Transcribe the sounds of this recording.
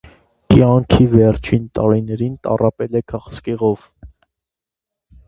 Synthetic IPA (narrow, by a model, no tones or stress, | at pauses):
kjɑŋkʰivɛɾt͡ʃʰint̪ɑɾinɛɾint̪ɑ̰rɑpɛlɛkʰɑχskɛʁɔv